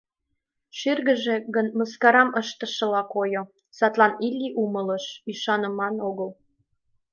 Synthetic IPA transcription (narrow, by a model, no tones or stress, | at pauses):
ʃyrɣə̆ʒeɣənməskɑɾɑməʃt̪ə̆ʃɤ̆lɑkojo | sɑt̪lɑnilʲːiʔumələʃyʃɑnə̆mɑnoɣəl